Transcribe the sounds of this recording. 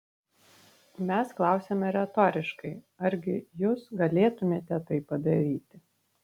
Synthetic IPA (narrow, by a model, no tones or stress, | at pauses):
mʲɛsklˠɑˑʊsʲeːmʲɛɾʲɛt̪ɔːɾʲɪʃkɐɪ | ɐɾʲɡʲɪjʊːsɡɐlʲeːt̪ʊmʲeːt̪ʲɛt̪ɐɪpɐd̪ɐɾʲiːt̪ʲɪ